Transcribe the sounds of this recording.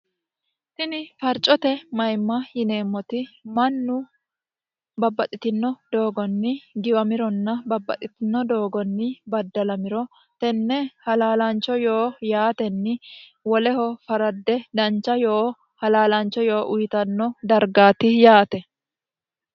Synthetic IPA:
t̪ɪnɪfɐɾt͡ʃʼɔt̪ɛmɐjmːɐjɪne̞ːmːɔt̪ɪmɐnːʊ | bɐbːɐt̪ʼɪt̪ɪnːɔd̪̥o̞ːɡɔnːɪɡɪwɐmɪɾɔnːɐbɐbːɐ̰t̪ʼɪt̪ɪnːɔd̪oːɡɔnːɪbɐd̪ːɐlɐmɪɾɔ | t̪ɛnːɛhɐlaːlɐnt͡ʃːɔjo̞ːjaːt̪ɛnːɪwɔlɛhɔfɐɾɐd̪ːɛd̪ɐnt͡ʃːɐjoː | hɐlaːlɐnt͡ʃːɔjo̞ːʔʊjt̪ɐnːɔd̪ɐɾɡaːt̪ɪjaːt̪ɛ

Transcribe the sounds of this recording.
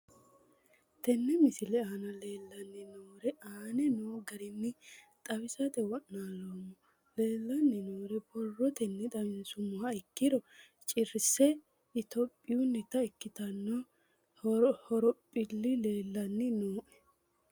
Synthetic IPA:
t̪ɛnːɛmɪsɪlɛaːnɐle̞ːlːɐnːɛnoːɾɛʔaːnɛnoːɡɐɾɪnːɪ | t̪ʼɐwɪsɐt̪ɛwɔnːaːloːmːʊ | le̞ːlːɐnːɛnoːɾɛbɔrːɔt̪ɛnːɛt̪ʼɐwɪnsʊmʊɐɪkːɪɾɔ | t͡ʃʼɪɾsɛ | ɪt̪ɔpʼːɪjunːɛt̪ɐɪkːɪt̪ɐnːɔ | hɔɾɔpʼːɪlːɪle̞ːlːɐnːɪnoːʔɛ̥

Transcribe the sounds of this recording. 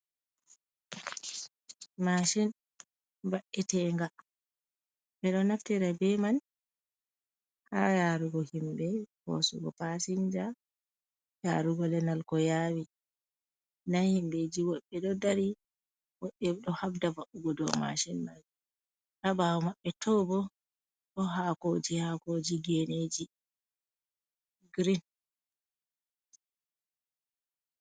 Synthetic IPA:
maʃin | baʔːɛtɛŋɡa | ɓɛɗɔnaftɛɾabɛman | ha̰jaɾuɡɔhimbɛhɔ̰sṵɡɔ̰pasiɲd͡ʒa | jaɾuɡɔlɛnalkɔjawi | nahimbed͡ʒiwɔɓːɛɗɔdaɾi | wɔɓːɛɗɔhabdavaʔuɡɔdɔ̰ma̰ʃinmad͡ʒɛ | ʔabawɔmaɓːɛtɔbɔ | ɗɔɦakod͡ʒihakod͡ʒiɡened͡ʒi | ɡɾin

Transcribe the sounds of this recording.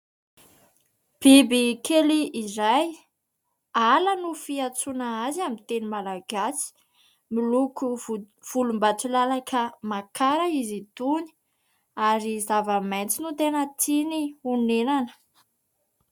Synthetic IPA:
b̥ibikʰeliʔːɾaj | alanufiat͡sunaazamint̪enimalaɡasi̥ | miluku | v̥ulumbat͡sulalakʰamakʰaɾaizit̪uni̥ | aɾizavəmejnt͡sinut̪enət̪ʰiniunenanə̥

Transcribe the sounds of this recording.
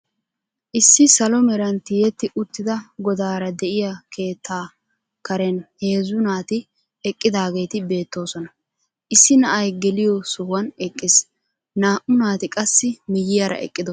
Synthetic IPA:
ʔɪsːɪsɐlɔmɛɾɐnt̪ɪjɛt̪ːɪʔʊt̪ːɪd̪ɐɡɔd̪aːɾɐd̪ɛʔɪjɐkʰe̞ːt̪ʰːaː | kɐɾɛnhe̞ːzʊnaːt̪ɪ | ɛkʼːɪd̪aːɡe̞jt̪ɪbe̞ːt̪ːo̞ːsɔnɐ | ʔɪsːɪnɐʔɐjɡɛlɪjɔsʊhwɐnɛkʼːɪs | naːʔʊnaːt̪ɪkʼɐsːɪmɪjɪjɐɾɐ̰ʔɛ̰kʼːɪd̪ɔ

